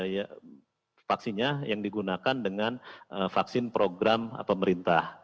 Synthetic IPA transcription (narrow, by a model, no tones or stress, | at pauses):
ja | faksinɲajaŋdiɡunakandəŋanəfaksɪnpɾʔoɡɾam̰pəməɾint̪ah